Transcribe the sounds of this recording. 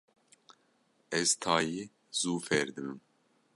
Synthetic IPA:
ɛzt̪ʰɑːjiː | z̥uːfɛɾd̪ɨmɨm

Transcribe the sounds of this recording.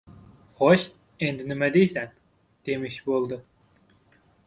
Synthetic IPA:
χoʃ | end̪ɪnɪmɛd̪ejsæn | d̪̥emɪʃbolˠd̪ɨ

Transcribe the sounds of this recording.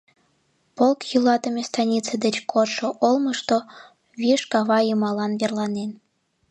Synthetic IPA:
polkjulɑt̪əmʲest̪ɑnʲit͡sed̪et͡ɕkʰoʃoʔolməʃt̪o | βiʃkɑβɑjəmɑlɑnβerlɑnen

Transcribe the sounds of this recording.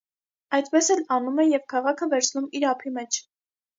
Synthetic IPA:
ɑjt̪pɛsɛlɑnumɛjɛvkʰɑʁɑkʰəvɛɾt͡sʰnumiɾɑpʰimɛt͡ʃʰ

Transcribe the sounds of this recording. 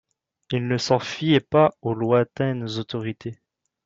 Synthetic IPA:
ilnəsɑ̃fijɛpaolwɛ̃t̪ɛnzot̪ɔʁit̪ʰe

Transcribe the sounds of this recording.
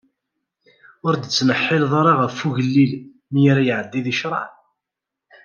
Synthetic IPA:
ʊɾd̪ət͡sːnəħːɪlðˤɑɾˤɑʁəfːuʝəlːil | mijaɾajʕəd̪ːiðiʃɾˤɑ̰ʕ

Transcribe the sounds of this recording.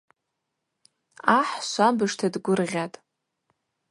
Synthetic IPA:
aħʃʷabɨʂtʰadɡʷʊrʁʲatʼ

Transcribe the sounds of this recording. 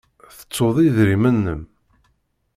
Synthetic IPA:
θə̥t͡sːoðˤiðɾimənːəm

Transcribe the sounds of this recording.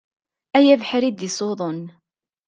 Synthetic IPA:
æjævħɾid̪isˤoðˤon

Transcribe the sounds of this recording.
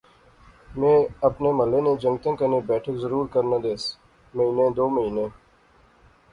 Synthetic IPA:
mẽːɐpneməlːeːnẽd͡ʒə̃ŋɡt̪ə̃kənibɛːʈʰəkzəɾuːɾkəɾnad̪eːs | məɦiːnẽd̪oːməɦiːnẽː

